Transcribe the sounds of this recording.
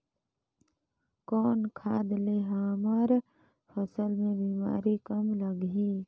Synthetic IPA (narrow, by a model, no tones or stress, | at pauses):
kɔːnkʰaːd̪leɦaːməɾ | pʰəsəlmẽbiːma̰ːɾikəmləɡi